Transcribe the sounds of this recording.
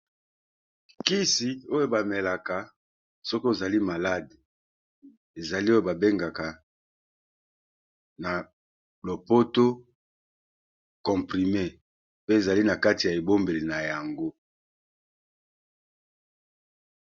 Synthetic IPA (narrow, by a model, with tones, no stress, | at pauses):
ki˦si˨o˦jo˨ba˨me˨la˨ka˨ | sɔ˦ko˦e˨za˨li˦ma˨la˦d | e˨za˨li˦o˦jo˨ba˨be˦ŋɡa˨ka˨ | na˨ | lo˨po˦to˦ | kɔ̃˨pʁi˨me˦ | pe˦e˨za˨li˦na˨ka˦ti˨ja˨e˨bo˦mbe˨li˨na˨ja˨ŋɡo˦